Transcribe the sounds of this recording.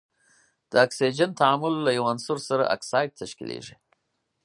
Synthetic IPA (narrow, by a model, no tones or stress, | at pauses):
d̪̥əaksid͡ʒant̪aamʊlːajawansʊɾsaɾa̰ʔa̰ksɑjɖ̚t̪aʃkḭlḛʐi